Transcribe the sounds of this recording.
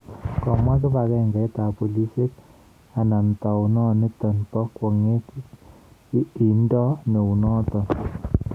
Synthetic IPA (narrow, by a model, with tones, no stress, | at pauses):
kɔ˨ma˦k̬ɪ˦pa˨kɛ˦˨ŋɡɛ˨˦t̪a˨pu˨li˦se˦k | a˨na˨nt̪a˨u˨nɔ˦ni˦t̪ɔ˨npɔ˦kwɔ˨ŋe˦k | i˨ndɔ˦ne˨u˨nɔ˦t̪ɔ˨n